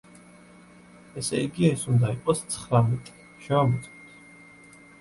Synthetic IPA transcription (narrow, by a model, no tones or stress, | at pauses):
ɛsɛ̰iɡiɛsund̪aiqʼɔst̪sʰχɾamɛt̪ʼi̥ | ʃɛvamɔt̪sʼɔt̪ʰ